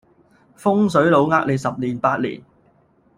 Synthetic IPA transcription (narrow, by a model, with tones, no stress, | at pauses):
fʊ˥ŋs̬ɵ˨˥ɥlo˨˧wŋaː˥k̚le˨˧jsɐ˨p̚liː˨˩npaː˧t̚lḭː˨˩n